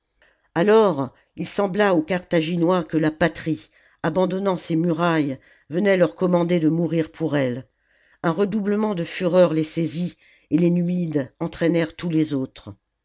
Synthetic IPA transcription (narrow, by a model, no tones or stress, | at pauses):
alɔʁ | ilsɑ̃blaokaʁt̪aʒinwakəlapat̪χi | abɑ̃d̪ɔnɑ̃semyʁaj | vənɛlœʁkɔmɑ̃d̪ed̪əmuʁiʁpʰuʁɛl | ɛ̃ʁəd̪ubləmɑ̃d̪əfyʁœʁlesezi | elenymid̪ɑ̃t̪χɛnɛʁt̪ulezot̪χ